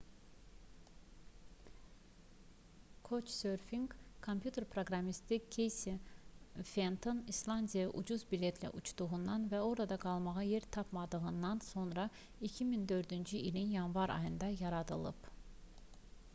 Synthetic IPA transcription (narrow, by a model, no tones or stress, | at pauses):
kʰo̞t͡ʃsøɾfiŋɡkʰompʰjut̪ʰe̞ɾpʰɾoɡɾɑmist̪ʰikʰejsi | fent̪ʰonislˠɑnd̪ijɑʔṵd͡ʒuzbilʲet̪ʰlæ̰ʔut͡ʃʰd̪uʁund̪ɑnvæo̞ɾɑd̪ɑɡɑlˠmɑʁɑjeɾt̪ʰɑpʰmɑd̪ɯɣɯnd̪ɑnso̞nɾɑ | icʰimind̪ø̞ɾd̪ynd͡ʒyilinjɑnvɑɾʔɑ̰jɯnd̪ɑjɑɾɑd̪ɯlˠɯ̰p